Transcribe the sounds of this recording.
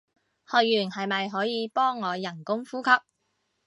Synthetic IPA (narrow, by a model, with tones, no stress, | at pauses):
hɔː˨jyː˨˩nhɐ˨jmɐ˨jɦɔː˨˥jiː˨˧pɔː˥ŋːɔː˨˧jɐ˨˩nkʊ˥ŋfuː˥kʰɐ˥p̚